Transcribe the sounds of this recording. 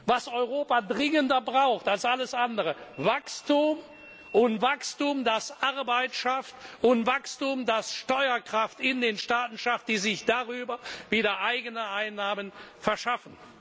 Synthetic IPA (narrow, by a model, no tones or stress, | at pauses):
vasɔʏʁoːpadʁɪŋəndɐbʁaʊxtalsʔaləsʔandəʁəvakstum | ʔʊntv̥akstumdasʔaʁbaɪtʃaftʊntvakstumdasʃtɔʏɐkʁ̥aftɪndeːnʃtaːtn̩ʃaft̚d̥iːzɪçd̥aʁyːbɐviːdɐʔaɪɡənəʔaɪnːaːmənfɛɐʃafn̩